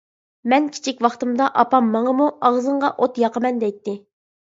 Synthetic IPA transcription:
mɛnkʲʰi̥t͡ʃʰikʲʋwɑχt̪ɨmd̪ɑʔɑpɑmːɑŋəmuɑʁzɨɴʁɑʔot̪jɑqəmɛnd̪ɛjt̪ːɪ

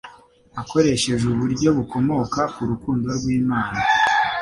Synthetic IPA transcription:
ako̞ɾe̞ʃe̞ʒuβuɾɟo̞βuko̞mo̞kakuɾukuːndo̞ɾɡwiːmaːna

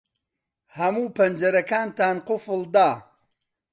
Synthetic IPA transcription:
hɐmuːpɐnd͡ʒɐɾɐkaːnt̪aːnqʊfɨlˠd̪a

